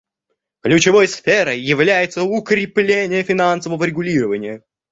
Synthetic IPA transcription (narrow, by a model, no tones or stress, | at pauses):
klʲʉt͡ɕɪvojsfʲeɾəjːɪvlʲæjɪt̪səʊkɾʲɪplʲenʲɪjəfʲɪnansəvəvəɾʲɪɡʊlʲiɾəvənʲɪjə